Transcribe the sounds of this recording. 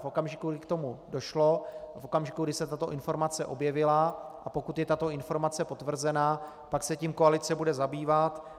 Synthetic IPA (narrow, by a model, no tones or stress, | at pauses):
fʔo̞kamʒɪkuɡɪkt̪o̞mudo̞ʃlo̞fʔo̞kamʒɪkuɡdɪsɛt̪at̪o̞ʔɪnfo̞ɾmat͡sɛʔo̞bjɛvɪlaʔapo̞kut̪jɛt̪at̪o̞ɪnfo̞ɾmat͡sɛpo̞t̪vr̩zɛnaː | paksɛciːmko̞alɪt͡sɛbudɛzabiːvat̪